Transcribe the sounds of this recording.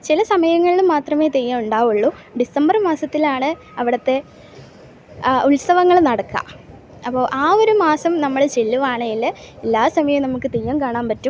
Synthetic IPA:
t͡ɕilɐsɐmɐjɐŋːɐɭilumːaːt̪rɐme̞ːt̪ejːɐmuɳɖaːʋuɭːuɖisɐmbɐrmaːsɐt̪ːilaːɳɨ | ɐʋiɽɐt̪ːe̞ | uɭsɐʋɐŋːɐɭnɐɽɐkːa̰ | ɐpːo̞ːʔaːo̞ɾumaːsɐmnɐmːɐɭt͡ɕelːuʋaːɳɐilːɐelːaːsɐmɐjɐmnɐmukːɨt̪ejːɐmkaːɳaːmpɐtːum

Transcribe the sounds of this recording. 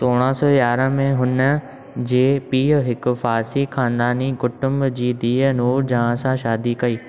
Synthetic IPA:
soːɽ̃ãsɔːjaːɾə̃mẽɦʊnə̆ | d͡ʑeːpiːɦəɦɪkʊ̆faːɾsixʰãːnd̪aːnikʊʈʊ̃mbd͡ʑiːd̪iːənuːɾd͡ʑãːãsãʃaːd̪ikɐiː

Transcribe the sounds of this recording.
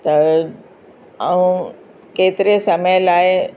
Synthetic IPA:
t̪ɐ | ɐũ | keːt̪ɪɾesɐməjlaːɪ

